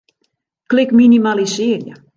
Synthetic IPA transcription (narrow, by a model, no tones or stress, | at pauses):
klɪkminimalisɪərjə